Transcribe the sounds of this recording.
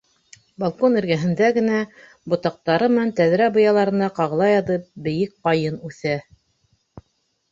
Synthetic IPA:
balˠkonɘ̆ɾɡæɦɘ̆nd̪æɡɘ̆næ | bŏt̪ɑq̚t̪ɑɾɤmɘ̆nænt̪æðɾæbŏjɑlˠɑɾɤ̆nɑqɑʁɤ̆lˠɑjɑðɤp̚bɘ̆jɘk̚qɑjɤnʉθæ

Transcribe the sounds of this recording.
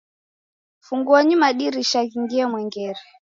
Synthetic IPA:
fuŋɡuaɲumaɗiɾiʃaɣiŋɡiamwɛŋɡɛɾɛ

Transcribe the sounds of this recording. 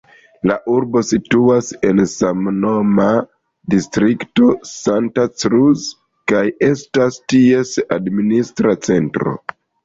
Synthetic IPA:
laʔuɾbo̞situase̞nsamno̞ma | distɾikto̞santat͡sɾuz | kaje̞stastie̞sadministɾat͡se̞ntɾo̞̰

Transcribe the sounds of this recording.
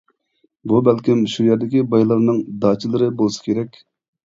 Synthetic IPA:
bubælkʲimʃujɛɾd̪ɪkʲibɑjlˠɑɾnɨŋd̪ɑːt͡ʃʰilˠɨɾɨbolˠɨsɨ̥kʲʰeɾɛkʲ

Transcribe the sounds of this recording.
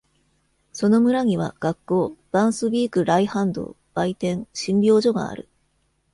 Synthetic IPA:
so̞no̞mɯ̟ɾaɲ̟iβ̞a̰ɡ̥akːo̞ːb̥ãɰ̃sɨbʲiːkɯ̟ɾaihãnd̪o̞̰ː | b̥ait̪ẽ̞ŋɕĩmbʲo̞ːʑo̞ɡa̰ːɾɯ̟̰

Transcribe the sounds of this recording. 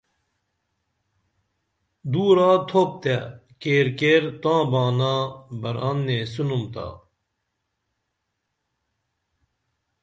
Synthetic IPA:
d̪uːɾaːt̪ʰoːp̚t̪ekeːɾkeːɾt̪ãːbaːnaːbɐɾaːnːeːsunumt̪a̰ː

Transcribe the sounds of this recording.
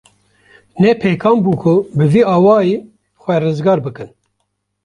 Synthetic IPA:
nɛpʰeːkʰɑːmbuːkʰʊbɨviːɑːwɑːjeː | xʷɛrɨzɡɑːɾbɨkɨn

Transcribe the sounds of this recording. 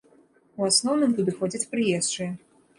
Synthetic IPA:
uasnɔwnɨmt̪ud̪ɨxɔd͡zʲɐt͡sʲpɾɨjɛst͡ʂɨ

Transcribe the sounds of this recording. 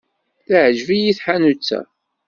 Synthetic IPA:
θəʕʒvijiθħanut͡sːæ̰

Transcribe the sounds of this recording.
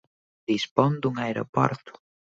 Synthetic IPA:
d̪ispond̪uŋaeɾo̰pɔ̰ɾt̪ʊ̥

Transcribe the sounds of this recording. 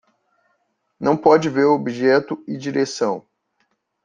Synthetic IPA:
nɐ̃w̃pɔd͡ʒɪveɾobiʒɛt̪ʊɪd͡ʒiɾesɐ̃w̃

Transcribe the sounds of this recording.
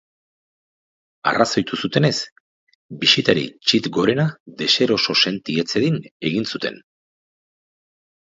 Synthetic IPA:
a̰raso̞jt̪usut̪e̞ne̞s | bisit̪aɾḭt͡ʃit̪ɡo̞ɾe̞nad̪e̞se̞ɾo̞so̞se̞nt̪ie̞t͡se̞ðine̞ɣinsut̪e̞̰n

